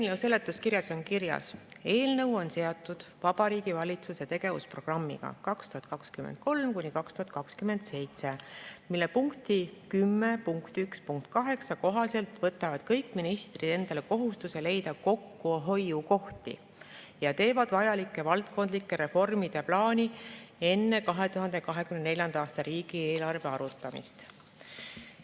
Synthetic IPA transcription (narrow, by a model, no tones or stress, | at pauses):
ewse̞lːet̪ːˑuskiɾjɑso̞ŋkiɾjɑ̰se̞ːlnɤ̞wo̞nse̞ot̪ˑːud̪̥vɑb̥ɑɾiːɡ̥ivɑlʲit̪suse̞t̪e̞ɡ̥e̞vṵspro̞ɡ̥rɑmːḭɡ̥ɑ̰kɑkst̪uɑt̪̚ˑkɑkskymend̪̚ko̞lmkunʲikɑkst̪uhɑt̪kɑkskyme̞nd̪̥se̞jt̪se̞milːe̞puŋkt̪ikymːepuŋkt̪ykspuŋk̚t̪ˑkɑɦe̞ksɑko̞ɦɑse̞lt̪vɤt̪ːˑɑvɑd̪̥kɤjkːˑminist̪rid̥̪e̞nd̪̥ɑle̞ko̞ɦust̪use̞le̞jd̪̥ɑko̞kːuɦo̞juko̞ht̪ḭ | jɑt̪e̞ːvɑd̪̥vɑjɑlikːˑevɑlt̪̚ko̞nd̪likːe̞ɾe̞fo̞rmid̪̥eplɑːnʲie̞nːe̞kɑɦe̞t̪uɦɑnd̪̥e̞kɑɦe̞kymnene̞lʲjɑnd̪ɑɑːst̪ɑɾiːɡ̥ieːlɑrve̞ɑɾut̪ːˑɑmḭst̪